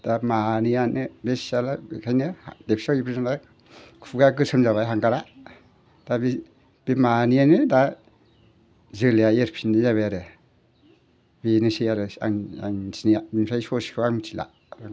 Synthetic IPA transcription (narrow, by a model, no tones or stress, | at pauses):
d̥amanianɯbesalakʰajnɯdepʰi̥saipʰɾizanda | kʰuɡaɡɯsɯmzaβajɦaŋɡaɾa | d̥abi | b̥imanianɯda | zɯliaeɾpʰinijaβeɾɯ | binɯsiaɾɯa̰ŋa̰ŋsiniabinsʰajsɔskʰɯaŋtila̰ | ɾa